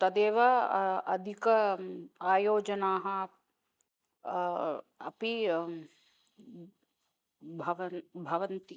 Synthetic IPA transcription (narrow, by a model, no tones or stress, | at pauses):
t̪ɐd̪eːʋɐɐd̪ʱikɐ | aːjoːd͡ʒɐnaːɦɐ | ɐ̰pi | bʱɐʋɐbʱɐʋɐnt̪i